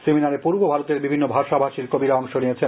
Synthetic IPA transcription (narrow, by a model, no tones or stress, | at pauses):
seminaɾepuɾbobʱaɾot̪eɾbibʱinːobʱaʃabʱaʃiɾkobiɾaɔŋʃoniet͡ɕʰe